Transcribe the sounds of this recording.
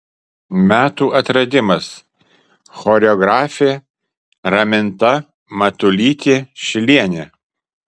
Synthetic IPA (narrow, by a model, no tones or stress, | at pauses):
mʲæːt̪uːʔɐt̪ɾɐd̪ʲɪmɐs | xɔɾʲɛɔɡɾɑːfʲeː | ɾɐmʲɪnt̪ɐ | mɐt̪ʊlʲiːt̪ʲeːʃʲɪlʲiɛnʲe